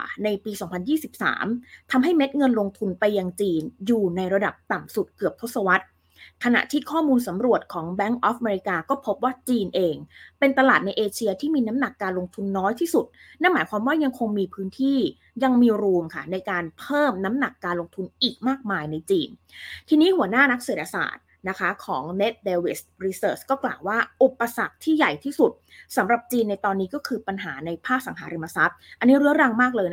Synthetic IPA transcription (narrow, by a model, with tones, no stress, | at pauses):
na˧jpiː˧sɔː˩˦ŋpʰa˧njiː˥˩si˨˩p̚sa̰ː˩˦mt̪ʰa˧mɦa˥˩jme˦˥t̪̚ŋɤ˧nlo˧ŋt̪ʰu˧npa˧jːa˧ŋt͡ɕiː˧njuː˨˩na˧jɾa˧da˨˩p̚t̪a˨˩msu˨˩t̪̚kɯ˨˩əp̚t̪ʰo˦˥t̪sa˧wa˦˥t̪̚ | kʰa˧na̰˨˩ʔt̪ʰiː˥˩kʰɔː˥˩muː˧nsa˩˦mɾu˨˩ət̪̚kʰɔː˩˦ŋbɛ˦˥ŋʔɔː˦˥fʔa˧meː˧ɾi˧˥kaː˧kɔː˥˩pʰo˦˥p̚waː˥˩t͡ɕiː˧nʔeː˧ŋpe˧nt̪a˧laː˨˩t̪̚na˧jʔeː˧t͡ɕʰi˧ɐt̪ʰiː˥˩miː˧na˦˥mna˨˩kːaː˧nlo˧ŋt̪ʰu˧nːɔː˦˥jt̪ʰiː˥˩su˨˩t̪̚ | na˥˩nmaː˩˦jkwaː˧mwaː˥˩ja˧ŋkʰo˧ŋmiː˧pʰɯː˦˥nt̪ʰiː˥˩ | ja˧ŋmiː˧ɾuː˧mkʰa˥˩na˧jkaː˧npʰɤː˥˩mna˦˥mna˨˩kːaː˧nlo˧ŋt̪ʰu˧nʔiː˨˩k̚maː˥˩k̚maː˧jna˧jt͡ɕiː˧nt̪ʰiː˧niː˦˥hu˨˩˦ɐnaː˥˩na˦˥k̚seː˨˩t̪̚ʰa˧sa̰ː˨˩t̪̚ | na˦˥kʰa˦˥kʰɔ̰ː˩˦ŋne˦˥t̪̚deː˧we˦˥stɾiː˧sɤː˨˩t͡ɕkɔː˥˩klaː˨˩waː˥˩ʔu˨˩pːa˧sa̰˨˩k̚t̪ʰiː˥˩ja˨˩jt̪ʰiː˥˩su˨˩t̪̚sa˩˦mɾa˨˩p̚t͡ɕiː˧nːa˧jt̪ɔː˧nːiː˦˥kɔː˥˩kʰɯː˧pa˧nɦaː˩˦na˧jpʰaː˥˩k̚sa˩˦ŋɦaː˩˦ɾe˧ma˧sa˦˥t̪̚ʔa˧nːiː˦˥ɾɯ˦˥˩əɾa˧ŋmaː˥˩k̚lɤː˧jn˦